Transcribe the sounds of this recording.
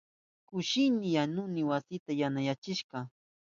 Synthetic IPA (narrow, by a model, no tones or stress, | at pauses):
kʊʃɪnɪjanʊnɪwasɪt̪ajanajat͡ʃɪʃɢɑ